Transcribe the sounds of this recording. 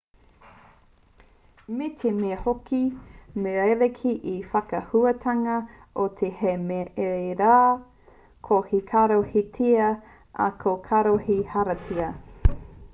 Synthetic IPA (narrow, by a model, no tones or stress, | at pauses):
metʰemeɐhokimeejlekʰiʔifɐkɐhuɐtʰaŋɐ | ʔot̪ʰehemeeɾaː | kʰohikʰaɾohitʰiɐ | ʔɐ̰kʰokʰaɾohihaɾɐtʰiɐ